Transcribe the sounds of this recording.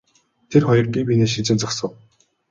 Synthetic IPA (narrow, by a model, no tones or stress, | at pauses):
t̪ʰerχɔjɞ̆rɡʲiːpʲineːʃit͡sɘ̆nt͡sɔksə̆w